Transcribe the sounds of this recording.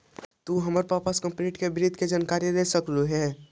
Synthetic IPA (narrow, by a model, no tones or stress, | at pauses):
t̪uɦəməɾpapəskə̃mpniːʈkebɪɾɪd̪ʱked͡ʒaːnkaːɾijiɾesəkɾuɦɛː